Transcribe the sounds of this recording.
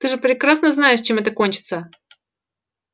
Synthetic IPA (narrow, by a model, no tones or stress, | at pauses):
t̪ɨʐɨpɾʲɪkɾasnəznajɪʂt͡ɕemɛt̪əkonʲt͡ɕɪ̥t̪sə